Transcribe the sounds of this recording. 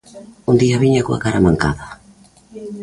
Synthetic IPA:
und̪iaβiɲakoa̰kaɾamaŋkaða

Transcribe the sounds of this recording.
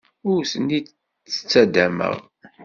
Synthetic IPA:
ʊɾsənit͡s | t͡sːə̥t͡sːæd̪æmə̰ʁ

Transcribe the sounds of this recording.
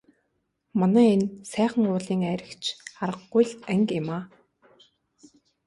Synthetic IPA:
manæːensæːχə̆ŋʊːɮiːŋæɾʲɪ̆kt͡ɕʰχaɾə̆qːujɮæŋkɪmaː

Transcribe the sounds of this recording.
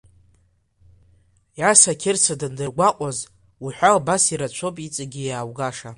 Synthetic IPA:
jasakʲʰɪrsʰadɨndɨrɡʷaqʷʼaz | wiħʷᶣalbasiɾat͡ʃʷʰopʼit͡sʼaɡʲijaːwɡaʂa

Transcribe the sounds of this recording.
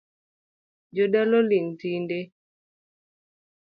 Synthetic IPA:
d͡ʒodalɔliŋtinde

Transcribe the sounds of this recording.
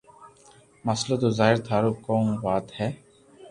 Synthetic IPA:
mɐslot̪ozaːɦɪɾt̪ʰaːɾuːkõːnbaːt̪hɛː

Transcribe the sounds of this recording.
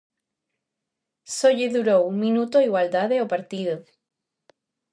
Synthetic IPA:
soʎeðuɾowmĩnut̪oiɣwald̪aðeopaɾt̪iðo

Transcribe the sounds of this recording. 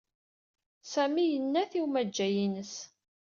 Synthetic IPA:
sæmijənːæθiwmæd͡ʒːæjinəs

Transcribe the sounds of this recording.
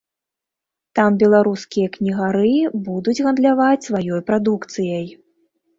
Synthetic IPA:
t̪ambʲɛlˠaɾuskʲijɐknʲiɣaɾɨbud̪ut͡sʲɣɐnd̪lʲavat͡sʲsvajɔjpɾad̪ukt̪sɨjɐj

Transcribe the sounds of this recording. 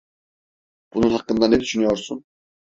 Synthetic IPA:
b̥unɨŋɦɑqːənd̪ɑnɛt̪ʰy̥ʃynijoɾsun

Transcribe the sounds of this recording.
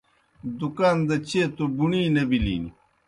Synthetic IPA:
d̪ukaːnd̪ɐt͡ɕeːt̪obuniːnɐbilḭːnḭ

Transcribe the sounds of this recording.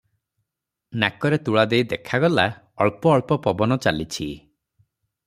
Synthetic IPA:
nakɔɾet̪uɭad̪ejd̪ekʰaɡɔla | ɔɭpɔːɭpɔpɔbɔnɔt͡ʃalit͡ʃʰḭ

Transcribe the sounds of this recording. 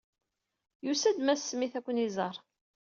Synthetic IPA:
jusæd̪mæssːmiθækʷːənizˤɑɾˤ

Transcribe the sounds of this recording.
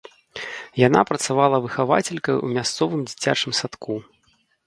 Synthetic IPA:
jana̰pɾɐt̪savalˠɐvɨxava̰t͡sʲɛlʲkɐ̰ṵmʲast̪sɔvɨmd͡zʲit͡sʲat͡ʂɨmsat̪kʰu

